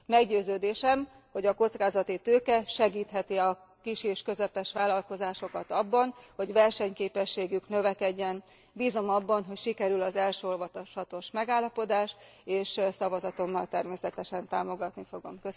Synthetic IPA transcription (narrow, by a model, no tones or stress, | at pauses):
mɛɡɟøːzøːd̪eːʃɛm | ho̞ɟɒko̞t̪skaːzɒt̪it̪øːkɛʃɛɡiːt̪ɦɛt̪iɒ | kiʃeːʃkø̞zɛpɛʃʋaːlɒlko̞zaːʃo̞kɒt̪ɒbːɒnho̞ɟʋɛrʃɛɲkeːpɛʃːeːɡyknø̞vɛkɛɟːɛn | biːzo̞mɒbːɒnɦo̞cʃikɛɾylɒzɛlʃøolvɒt̪oʃhɒt̪o̞ʃmɛɡaːlːɒpo̞d̪aːʃeːʃsɒvɒzɒt̪o̞mːɒlt̪ɛrmeːsɛt̪ɛʃɛnt̪aːmo̞ɡɒt̪nifo̞ɡo̞̰mkø